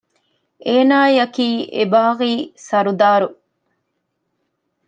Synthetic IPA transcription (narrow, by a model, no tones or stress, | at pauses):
eːnaːjɐkiːʔebaːʁiːsɐɾud̪aːɾu